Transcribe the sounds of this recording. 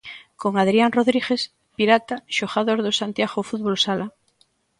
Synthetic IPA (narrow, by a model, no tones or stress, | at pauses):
koŋaðɾianroðɾiɣes | piɾat̪aʃoxaðoɾðosant̪jaɣofuðβolsala